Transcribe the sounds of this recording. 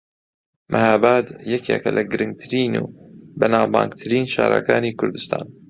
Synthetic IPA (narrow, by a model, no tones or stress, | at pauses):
mʔahaːbaːd̪jɛkʰḛkɐlʔɐɡɨɾɨŋɡ̚t̪ʰɨɾiːnuːbɐnaːbaːŋɡt̪ʰɨɾiːnʃa̰ːɾa̰kaːniːkʰʊɾd̪ɨst̪ʰaːn